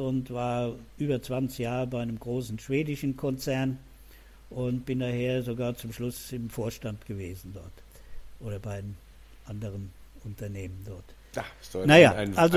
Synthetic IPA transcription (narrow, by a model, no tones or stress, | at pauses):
ʊntv̥aːɐʔyːbɐt͡sv̥ant͡sɪçjaːʁəbaɪnəmɡʁoːsn̩ʃv̥eːdɪʃn̩kʰɔnt͡sɛɐn | ʔʊntb̥ɪndaːheːɐzoɡaːɐt͡sʊmʃlʊsɪmfoːɐʃtantɡ̥əveːzn̩dɔɐt | ʔoːɾɐbaɪm | ʔandəʁənʔʊntɐneːməndɔɐt | jasnajaːʔalzo